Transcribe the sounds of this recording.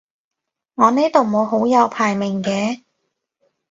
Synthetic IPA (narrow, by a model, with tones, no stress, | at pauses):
ŋɔː˨˧ne˥t̪o˨wmo˨˧wɦo˨˥wjɐ˨˧wpʰaː˨˩jmɪ˨˩ŋkɛː˧